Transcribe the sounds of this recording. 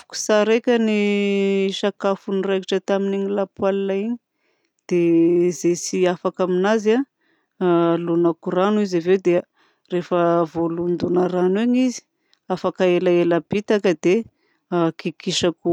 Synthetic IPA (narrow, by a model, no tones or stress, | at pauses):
u̥ku̥saɾekʲəni | ʃakafunirekiʈ͡ʂət̪aminiɲilapwalinaiɲi̥ | d̪̥ezesiafakaminaza | lunakuɾanuizavewd̪e | refəvolund̪unaɾaneɲizi̥ | afakaelaelabit̪akəd̪e | kikiʃaku